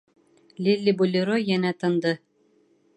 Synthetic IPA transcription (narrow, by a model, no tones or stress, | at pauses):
lʲilʲːibulʲiɾojænæt̪ɤ̆nd̪ɤ